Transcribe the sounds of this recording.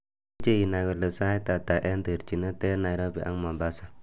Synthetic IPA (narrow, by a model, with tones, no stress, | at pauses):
t͡ʃe˦ji˨na˨ɡə˨ɾlə˨sa˦i˦ta˨ta˨ʔe˦ndə˨ɾt͡ʃi˨nə˦te˦na˨jɾo˦bḭ˨ʔa̰˦ŋma˨ba˦sa˦